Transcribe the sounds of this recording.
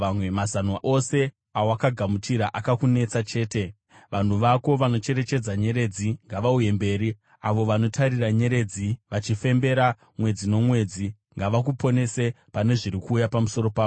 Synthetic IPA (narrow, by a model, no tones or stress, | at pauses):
ʋamwemazanaʔo̞se̞ | awowakaɡʱamutiɾaʔakakune̞t͡sat͡ʃe̞ːte̞ | ʋan̤uʋako̞ʋano̞t͡ʃe̞ɾe̞t͡ʃe̞d͡zaɲe̞ɾe̞d͡ziŋɡaʋauje̞mbe̞ːɾi | aʋo̞ʋano̞tʰaɾiraɲe̞ɾe̞d͡ziʋat͡ʃife̞mbe̞ɾa | mwe̞d͡zino̞mwe̞d͡zi | ŋɡaʋakupo̞ne̞se̞ | pane̞ʐiɾikuːjapamuso̞ɾo̞paːo